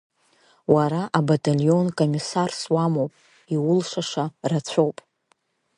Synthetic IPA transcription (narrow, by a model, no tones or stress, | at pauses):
waɾaʔabatʼalʲo̞nkʼomisarswamowpʼ | iwʊlʂaʂarat͡ɕʷʰo̞wpʼ